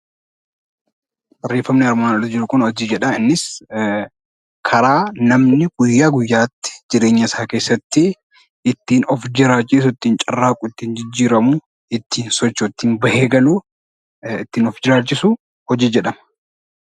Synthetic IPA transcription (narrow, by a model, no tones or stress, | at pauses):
sɐrːeːfːɐmnɪɐɾmaːnɐɾɪd͡ʒɪɾʊkʊnhɔd͡ʒiːd͡ʒɛᶑɐɪnːɪs | kʰɐɾaːnɐmnɪɡ̥ʊjːaːɡʊjːaːt̪ːɪ̥d͡ʒɪɾe̞ːɲːɐɪsaːke̞ːsːɐt̪ːɪ | ʔɪt̪ːiːnɔfd͡ʒɪɾaːt͡ʃʼːɪs̬ʊɪt̪ːiːnt͡ʃʼɐrːaːkʼʊɪt̪ːiːnd͡ʒɪd͡ʒːiːɾɐmʊ | ɪt̪ːiːnsɔt͡ʃːʊt̪ːiːnbɐhe̞ːɡɐluː | ɪt̪ːiːnɔfd͡ʒɪɾaːt͡ʃːɪsu | hɔd͡ʒiːd͡ʒɛᶑɐmɐ